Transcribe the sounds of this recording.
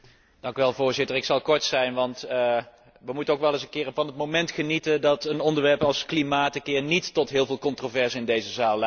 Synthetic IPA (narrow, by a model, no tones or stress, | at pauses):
d̥ɑŋkyʋɛlˠvʊːɹzɪtəɹɪksɑlˠkɔɹtsɛjnʋɑnt | ʋəmutənowkʋɛlˠɪsənkɪːɹəvɑnɦətmowmɛntχənitəndɑtənɔndəɹʋɛɹpɑlˠsklimaːtəkɪːɹnitːɔtɦɪːlˠvɪːlˠkɔntrovɛɹsɪndejzəzaːlˠl